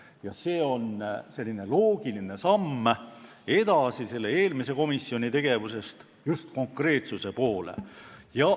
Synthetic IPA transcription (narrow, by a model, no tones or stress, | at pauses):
jɑse̞ːo̞nse̞lʲːine̞lo̞ːɡ̥iline̞sɑmː | e̞d̪̥ɑsise̞lːe̞eːlmise̞ko̞misːio̞nʲit̪e̞ɡ̥e̞vuse̞st̪ | just̪̚ko̞ŋkre̞ːt̪suse̞po̞ːlḛjɑ